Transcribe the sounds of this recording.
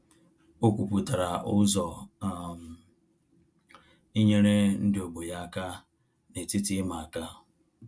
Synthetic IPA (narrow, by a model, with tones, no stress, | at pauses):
o˦kʷu˨pu˨ta˨ɾa˨ʔʊ˦zɔ˨m˨ | i˦ɲe˦ɾe˦n̩˦dɪ˨o˨ɡ͡bo˨ja˦a˨ka˦ | ne˨tɪ˦tɪ˦ma˨a˨ka˦